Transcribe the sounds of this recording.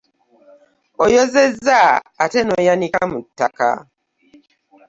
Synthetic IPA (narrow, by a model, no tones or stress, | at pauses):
ojozezːaːtenojanikamutːaka̰